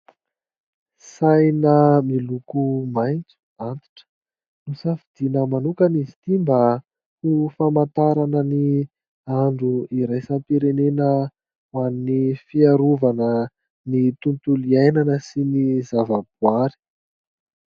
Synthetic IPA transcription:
sajnəmilukumajnt͡su̥ | ant̪i̥ʈ͡ʂə̥ | nusafid̪̥inəmanukanizit̪imba | ufamant̪aɾanəni | aɳɖ͡ʐuiɾajsampiɾenenə | wannifiaɾuvanə | nit̪unt̪uliajnanəsinizavabuaɾi̥

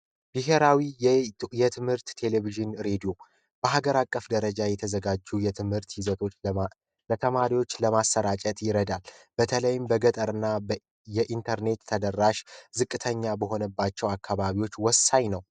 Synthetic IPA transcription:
biɦe̞ɾawijɛt̪ʰɨmhɨɾt̪ːʰe̞le̞viʒɨnɾe̞d̪ijo̞ | b̥əɦaɡəɾakʼːəfd̪əɾəd͡ʒajɛt̪ʰəzəɡad͡ʒːujɛt̪ʰɨmhɨɾt̪jɪzət̪ʰo̞ | lət̪ʰəmaɾiwo̞t͡ʃːləmasəɾat͡ʃʼət̪ʼjɪɾəd̪albət̪ʰələjɪmbəɡət̪ʼəɾɨnːa | jɛʔint̪ʰəɾne̞t̪ʰːəd̪ərːaʃzɨkʼːɨt̪ʰəɲːabəɦo̞nəbːat͡ʃːɛwakʰːaβaβiwo̞t͡ʃːwɔsːaɲnəw

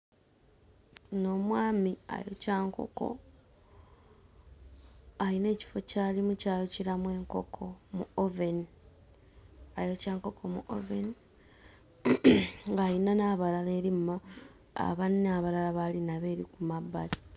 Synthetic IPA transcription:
no̞mwaːmia̰jo̞̰caːŋko̞̰ko̞̰ | aine̞ːci̥fo̞caːlimucaːlociɾamwe̞ːŋko̞kʰo̞mṵoveni | ajo̞caːŋko̞kʰo̞mṵʔo̰veni | ŋɡainanaβalale̞ːɾimːa̰ː | βanːaβalalaβalinaβe̞ːɾikumabːati̥

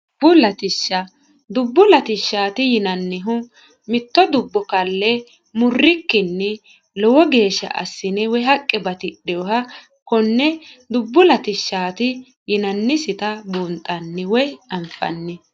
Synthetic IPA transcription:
bʊlɐt̪ɪʃːɐ | d̪ʊbːʊlɐt̪ɪʃːaːt̪ɪjɪnɐnːɪɦʊ | mɪt̪ːɔd̪ʊbːɔkɐlːɛ | mʊrːɪkːɪnːɛ | lɔwɔɡe̞ːʃːɐ̰ʔɐ̰sːɪnɛwɔjɦɐkʼːɛbɐt̪ɪɗːɛɔɦɐ | kɔnːɛd̪ʊbːʊlɐt̪ɪʃːaːt̪ɪ | jɪnɐnːɪsɪt̪ɐbʊnt̪ʼɐnːɪwɔjɐmfɐ̰nːɪ

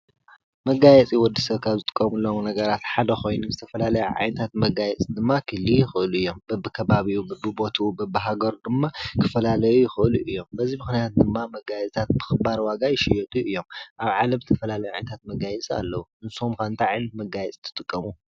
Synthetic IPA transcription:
mɐɡajɛt͡sʼiwɔd̪ːisɐβkʰaβzɨt̪ʼɨkʼːɐmulːomnɐɡɐɾat̪ħad̪ɐxo̞jnuzɨt̪ʰɐfɐlalɐjuʕa̰jnɐt̪ʰat̪mɐɡajɛt͡sʼid̪ɨmːakʰɨlːijɪxɨʔɨluɨjːombɐbːɨkʰɐβaβiubɐbɨbo̞t̪ʰubɐbɨɦaɡɐɾd̪ɨmːakʰɨfɐlalɐjujɪxɨʔɨluʔɨjːo̞mbɐzimɨxnijat̪̚d̪ɨmːamɐɡajɛt͡sʼt̪ʰat̪̚bɨxɨbaɾwaɡajɪʃɪjɛt̪ʼuʔɨjːo̞mʔaβʕalɐmzɨt̪ʰɐfɐlalɐjuʕa̰jnɐt̪ʰat̪mɐɡajɛt͡sʼia̰lːɐwuʔɨnsumkʰant̪ʰaʕajnɐt̪mɐɡajɛt͡sʼit̪ʰɨ̥t̪ʼɨkʼːɐmu

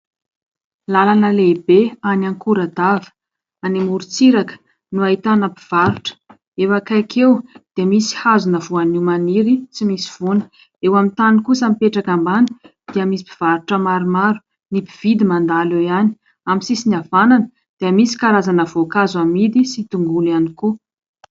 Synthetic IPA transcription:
lalanəlebeanaŋkuɾad̪avə̥ | animuɾut͡siɾakə̥ | nuait̪anəpiv̥aɾuʈ͡ʂə̥ | efakajkʰewd̪̥eamisi̥hazunəvuaniwmaniɾit͡simisi̥v̥unə̥ | ewamint̪anikusamipeʈ͡ʂakambanə̥ | d̪̥eamisi̥pi̥v̥aɾuʈ͡ʂəmaɾimaɾu̥ | nipiv̥id̪imand̪alewjani̥ | aminsisiniavananə̥ | d̪̥eamisi̥kaɾazanəvokazamid̪isit̪uŋɡulianiku

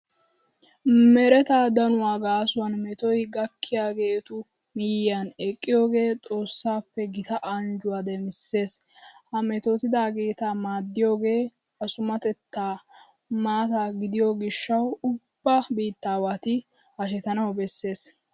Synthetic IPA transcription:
mɛɾɛt̪aːd̪ɐnʊwaːɡaːsʊwɐnmɛt̪ɔjɡɐkʰːɪjaːɡeːt̪ʊ | mɪjɪjanɛkʼːɪjo̞ːɡe̞ːt̪ʼo̞ːsːaːpːɛɡɪt̪ɐʔɐnd͡ʒʊwad̪ɛmɪsːe̞ːshɐmɛt̪ot̪ɪd̪aːɡeːt̪amaːd̪ːɪjo̞ːɡe̞ː | ɐsʊmɐt̪ɛt̪ːaː | maːt̪aɡɪd̪ɪjoɡɪʃːɐwʊb̥ːaːbiːt̪ːaːwat̪ɪ | hɐʃ̬ɛt̪ɐnɐwbɛsːe̞ːs

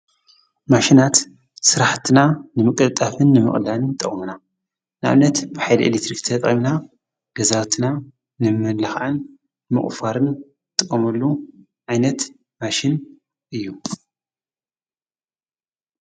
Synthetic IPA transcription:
maʃinat̪ | sɨɾaħt̪ʰinanɨmɨkʼɨt̪ʼafɨnːɨmɨ̰χʼlalɨnt̪ʼɐ̰χʼmuna | nɨʔa̰βnɐt̪bɨħajl̰ʔḛlekt̪ɾikt̪ʰɐt̪ʼʔʼimna | ɡ̥ɐzat̪ʰɨna | nɨmɨlɐxʔɨnː | ɨmɨ̰χʼfaɾɨn | t̪ʼɨkʼːɐmɐlːu | ʕajnɐt̪ | maʃɪn | ʔɨjːu

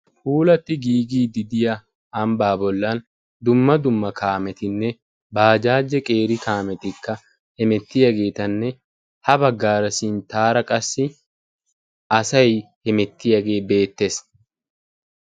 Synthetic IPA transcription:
fuːlɐt̪ːɪɡiːɡiːd̪ɪd̪ɪjɐ | ɐmbaːbɔlːɐn | d̪ʊmːɐd̪ʊmːɐkʰaːmɛt̪ɪnːɛ | baːd͡ʒaːd͡ʒːɛkʼeːɾɪkaːmɛt̪ɪkːɐ | hɛmɛt̪ːɪjɐɡe̞ːt̪ɐnːɛ | hɐbɐɡːaːɾɐsiːnt̪aːɾɐkʼɐsːɪ | ɐsɐjhɛmɛt̪ːɪjɐɡe̞ːbe̞ːt̪ːe̞s

